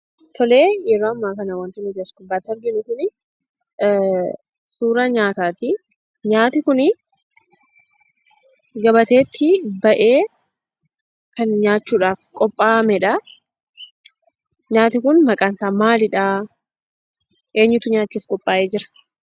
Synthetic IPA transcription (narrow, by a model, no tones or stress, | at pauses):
t̪ʰɔleːjɛɾoːɐmːaːkɐnɐwɐnt̪ɪnɪd͡ʒskʊbːaːt̪ːɔɾɡɪnʊkʊn | suːɾɐɲaːt̪aːt̪ɪ | ɲaːt̪ɪkʊnɪ | ɡɐbɐt̪e̞ːt̪ʰːɪbɐʔeː | kɐnɲaːt͡ʃːuːᶑaːfkʼɔpʼːaːmɛᶑɐ | ɲaːt̪ɪkʊnmɐkʼaːnsaːmaːlɪᶑaː | ʔe̞ːɲːʊt̪ʊɲaːt͡ʃːuːfkʼɔpʼːaːʔeːd͡ʒɪɾɐ̥